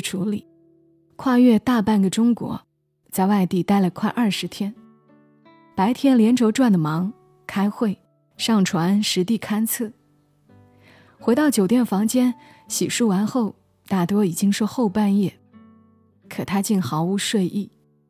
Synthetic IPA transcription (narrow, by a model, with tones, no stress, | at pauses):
ʈ͡ʂʰu˧˥li˨˩˦ | kʰwa˥˧ɥɛ˥˧t̪a˥˧pa˥˩nɡə˩ʈ͡ʂʊ˥ŋkwɔ̰˧˥ | t͡sa˥˧ɪwa˥˧ɪt̪i˥˩t̪a˥˩ɪlə˩kʰwa˥˧ʔɐ˞˥˩ʂɻ̩˧˥t̪ʰjɛ˥n | pa˧˥ɪt̪ʰjɛ˥nljɛ˧˥nʈ͡ʂʰo˧˥ʊʈ͡ʂwa˥˩nd̪ə˩mɑ˧˥ŋ | kʰa˥ɪxwe˥˩ɪ | ʂɑ˥˩ŋʈ͡ʂʰwa˧˥nʂɻ̩˧˥t̪i˥˩kʰa˥nt͡sʰɤ˥˩ | xwe˧˥ɪt̪ɑ˥˩ʊt͡ɕjo˨˩ʊt̪jɛ˥˩nfɑ˧˥ŋt͡ɕjɛ˥n | ɕḭ˨˩ʂu˥˩wa˧˥nxo˥˧ʊ | t̪a˥˩t̪wɔ˥i˨˩t͡ɕi˥ŋʂwɔ˥˧xo˥˧ʊpa˥˧njɛ˥˩ | kʰɤ˨˩t̪ʰa˥t͡ɕi˥˩nxɑ˧˥ʊu˧˥ʂwe˥˧ɪʔi˥˩